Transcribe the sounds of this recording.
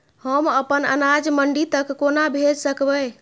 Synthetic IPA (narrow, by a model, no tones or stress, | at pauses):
həməpənə̰nad͡ʒməɳɖit̪əkːonabʱed͡ʒsəkbə